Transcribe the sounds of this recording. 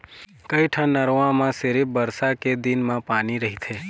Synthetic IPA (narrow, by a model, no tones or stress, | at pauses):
kəjʈʰə̃nːəɾʋãmãseɾibəɾsaked̪inmãpaniɾəɦit̪ʰe